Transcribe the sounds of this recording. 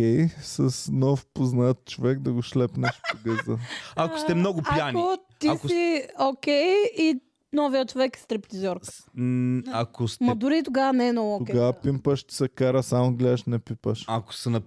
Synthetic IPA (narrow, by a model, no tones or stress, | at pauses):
ɛjsɐsnɔfpoznat̪̚t͡ʃovɛkd̪ɐɡʊʃlɛpnɛʃpiɡəzd̪əakkost̪ɛmnɔɡʊpijankio | t̪iasiokʲɛji | nɔviət͡ʃovɛkɛ̥st̪ɾipt̪izʲɔɾks | ɐkost̪mɐd̪ʊɾit̪oɡavɐnɛɛnɔvookɛɡavɐpimpəʃt̪i̥sɐkaɾəsamoɡlɛʃnɛpipəʃɐko̥sɛnɐ